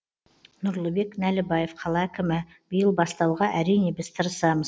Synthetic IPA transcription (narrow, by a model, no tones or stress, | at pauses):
nʊɾlˠəbe̞knælɪbɑje̞fqʰɑlˠɑækʲɪmɪ | bijəlˠbɑst̪ɑwʁɑʔæɾijne̞bɪz̥t̪ʰəɾəsɑməz